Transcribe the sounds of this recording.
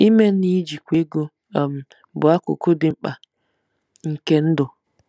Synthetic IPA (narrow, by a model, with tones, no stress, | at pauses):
i˦me˦ni˦d͡ʒi˨kʷe˦ɡo˦˨ | m̩˨ | bʊ˨a˦kʊ̰˨kʊ˦dɪ˨m̩˦k͡pa˨ | ŋ̩˨ke˦n̩˦dʊ˨